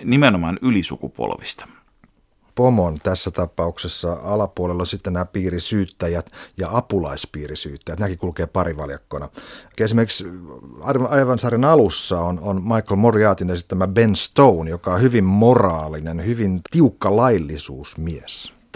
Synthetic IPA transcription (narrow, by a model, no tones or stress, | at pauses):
nimenomɑnylisṵkupo̰lʋist̪ɑ̥ | pomont̪æsːæt̪ɑpɑuksesːɑɑlɑpuolelːonʲsit̪ːennæːpiːrisyːt̪ːæjæt̪jɑɑpulɑispiːrisyːt̪ːæjæt̪næːkikulkeːpɑriʋɑ̰ljɑkːonɑesimerkiksɑrʋɑjʋɑnsɑːrinɑlusːɑononmɑikːolmoriɑːt̪inesi̥t̪ːt̪æmæbenst̪ounjokɑohyʋimmorɑːlinenhyʋint̪iukːɑlɑilːisuːsmies